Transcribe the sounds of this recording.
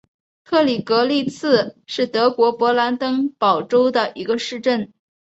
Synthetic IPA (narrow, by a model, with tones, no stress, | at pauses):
k̪ʰɤ˥˩li˨˩kɤ˧˥li˥˧t͡sʰɹ̩˥˧ʂɻ̩˥˩t̪ɤ˧˥kwɔ˧˥pwɔ˧˥la˧˥nt̪ɤ˥ŋpɑ˨˩ʊʈ͡ʂo˥ʊd̪ə˨ʔi˧˥ɡə˧ʂɻ̩˥˧ʈ͡ʂə˥˩n